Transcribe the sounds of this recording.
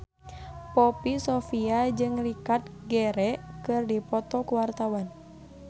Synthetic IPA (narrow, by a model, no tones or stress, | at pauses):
pɔpisɔfiad͡ʒɨŋlikat̪̚ɡɛɾɛkɨrdipɔt̪ɔkuwart̪awan